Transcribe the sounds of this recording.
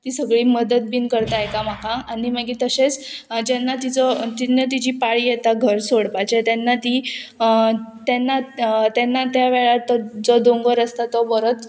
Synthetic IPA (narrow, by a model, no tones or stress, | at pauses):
t̪isəɡɭiːməd̪ət̪̚binkəɾt̪ajekam̤akʰaaniməɡiːt̪əɕet͡sd͡ʑɛnːat̪it͡sɔt̪inat̪̬id͡ʑiːpaɭiːjet̪aɡʱəɾsoɽpat͡ɕet̪ɛnːat̪i | t̪ɛnːat̪ɛnːat̪jaʋeɭat̪ɔd͡zɔd̪oŋɡəɾəst̪at̪ɔbəɾot͡s